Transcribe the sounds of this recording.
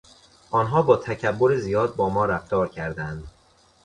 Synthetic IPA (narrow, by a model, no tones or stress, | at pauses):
ʔɒːnɦɒːbɒːt̪ʰæcʰæbːoɾezijɒːd̪̚bɒːmɒːɾæft̪ɒːɾcʰæɾd̪ænd̪